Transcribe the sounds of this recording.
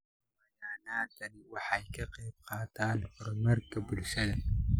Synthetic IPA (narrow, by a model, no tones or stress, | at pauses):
wɐjanaːt̪ɐnwaħajkɐqeːb̚qaːt̪aːnqʊɾmɐɾkɐbulsɐdɐn